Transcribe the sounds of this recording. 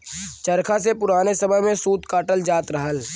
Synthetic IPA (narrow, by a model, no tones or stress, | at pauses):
t͡ʃɐɾkʰasepʊɾaːnesɐməɦmẽsuːt̪kaːʈəld͡ʒaːt̪ɾɐɦəl